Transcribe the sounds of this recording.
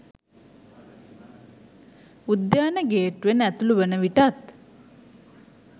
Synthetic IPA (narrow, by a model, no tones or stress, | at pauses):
ud̪jaːnəɡeːʈʋenæt̪uluʋənəʋiʈat̪